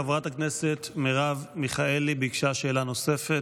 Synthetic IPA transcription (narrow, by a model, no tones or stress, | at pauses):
avʁatakneset̪meʁavmiχae̞libeikʃaʃe̞ːlano̞se̞fet